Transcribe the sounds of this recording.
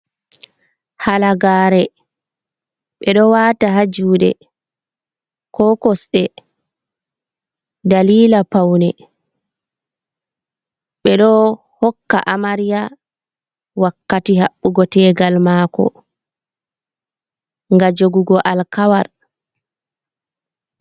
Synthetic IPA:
halaɡaːɾɛ | ɓɛɗɔwaːtaɦad͡ʒuːɗɛ̰ | kɔkɔsɗɛ | daliːlapawnɛ | ɓɛɗɔ | hɔkːa̰ʔamaɾija | wakːatihaɓːuɡɔtɛːɡalmakɔ̰ | ŋɡad͡ʒoɡuɡɔʔalkawaɾ

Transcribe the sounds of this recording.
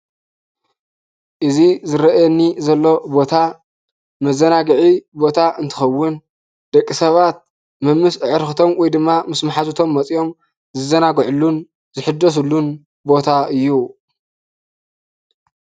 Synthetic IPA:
ʔɨzizɨɾɐʔjɛnːizɐlːo̞bo̞t̪ʰa | mɐzɐnaɡɨʕibo̞t̪ʰaʔɨnt̪ʰɨ̥xɐwːʊn | d̪̥ɐkʼːisɐβat̪̚ | mɨmːɨsɨʕɨɾxɨt̪ʰo̞mwɔjd̪ɨmːamɨsmaħazut̪ʰo̞mːɐt͡sʼijo̞m | zɨzɐnaɡʕulːun | zɨħɨd̪ːɐs̬ulːun | bo̞t̪ʰaɨjːu

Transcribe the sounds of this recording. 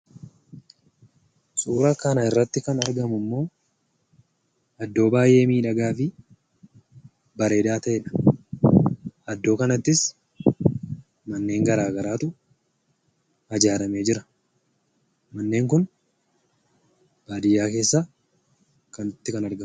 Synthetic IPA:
sʼuːɾɐkɐnɐɪrːɐt̪ːɪkɐnɐɾɡɐmʊmːo̞ː | ɐd̪ːo̞ːbaːjʔe̞ːmiːᶑɐɡaːfɪ | bɐɾe̞ːd̪aːt̪ɐʔeᶑɐ̥ | ʔɐd̪ːo̞ːkɐnɐt̪ːɪs | mɐnːe̞ːŋɡɐɾaːɡɐɾaːt̪ʊ | ɐd͡ʒaːɾɐme̞ːd͡ʒɪɾɐ̥ | mɐnːe̞ːŋk̬ʊn | b̥aːd̪ɪjːaːke̞ːsːaː | kɐnʊt̪ːɪkɐnɐɾɡɐ

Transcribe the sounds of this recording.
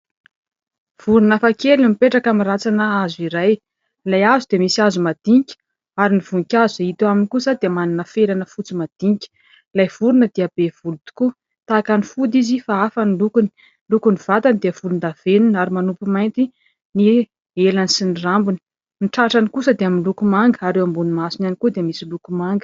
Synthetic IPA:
v̥uɾunafakʰelimipeʈ͡ʂakamirat͡sanəazuiɾaj | lajazud̪emisiazumad̪̥iŋkʲi̥ | aɾiniv̥ukʲazueit̪uaminikusəd̪eəmaninəfeɾanəfut͡simad̪̥iŋkʲi̥ | lajv̥uɾunəd̪eabev̥ulut̪u̥ku | t̪akanifud̪izifaafanilukuni̥ | lukuniv̥at̪and̪ev̥ulund̪av̥enunaɾimanupumajnt̪i | ni | elanisinirambuni̥ | niʈ͡ʂaʈ͡ʂanikusəd̪eaminlukumaŋɡəaɾewambunimasinanikud̪eemisilukumaŋɡə̥

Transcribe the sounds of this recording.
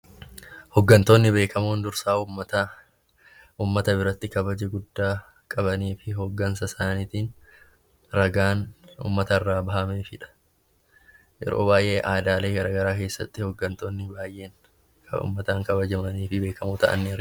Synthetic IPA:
hɔɡːɐnt̪o̞ːnːɪbe̞ːkɐmoːnd̪ʊɾsaːɐt̪ː | ʔuːmːɐt̪ɐbɪɾɐt̪ːɪkɐbɐd͡ʒɛɡʊd̪ːaː | kʼɐbɐniːfɪɦoɡːɐnsɐsaːniːt̪iːn | ɾɐɡaːnṵːmːɐt̪ɐrːaːbɐhɐmeːfɪᶑɐ̥ | jɛ̰ɾo̞ːbaːjʔe̞ːʔaːd̪aːle̞ːɡɐɾaːɡɐɾaːke̞ːsːɐ̰t̪ːɪhɔɡːɐnt̪o̞ːnːɪbaːjʔe̞ːŋ | kɐṵːmːɐt̪aːŋkɐbɐd͡ʒɐmɐniːfɪbe̞ːkɐmuːt̪ɐʔɐ̰nːɪ

